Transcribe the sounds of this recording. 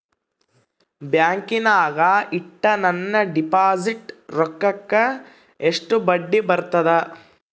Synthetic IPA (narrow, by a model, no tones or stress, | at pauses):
bjaːŋkinaːɡɐiʈːɐnɐnːɐɖipaːd͡ʒiʈɾɔkːɐkːɐ | eʂʈubɐɖːibɐɾt̪ɐd̪e